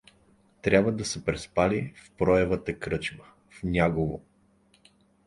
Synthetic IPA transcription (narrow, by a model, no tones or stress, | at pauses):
t̪ɾʲabvəd̪ɐsɛpɾɛspalifpɾɔɛvət̪əkɾɤt͡ʃmə | fnʲaɡovo